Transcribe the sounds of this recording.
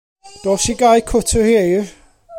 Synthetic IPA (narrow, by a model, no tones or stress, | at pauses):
d̥ɔːsiɡajkʰʊtʰəhiː